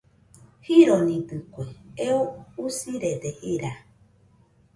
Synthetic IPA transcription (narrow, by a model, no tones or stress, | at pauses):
hiɾonĩɡɨkʷeeousiɾed̪eʔiɾa